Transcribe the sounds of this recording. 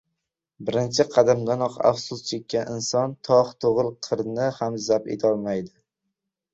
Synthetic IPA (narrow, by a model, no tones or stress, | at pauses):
bɪɾɪnt͡ʃʰɪqʰɑd̪amd̪anɒqa̰fsʊst͡ʃʰe̞kʲːanɪnsɒnt̪ʰɒht̪ʰoʁɨlˠqʰɨɾnɪhamzapḛt̪ʰɒlˠmajd̪ɪ